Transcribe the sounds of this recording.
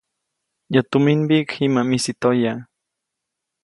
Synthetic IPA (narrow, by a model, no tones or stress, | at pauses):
jat̪uminbikimamisit̪oja